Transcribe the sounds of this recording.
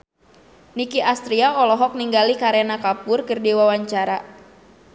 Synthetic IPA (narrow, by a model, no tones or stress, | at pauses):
nikiʔast̪ɾiaɔlɔɦɔk̚niŋɡalikaɾenakapʊrkɨrdiwawaɲt͡ʃaɾa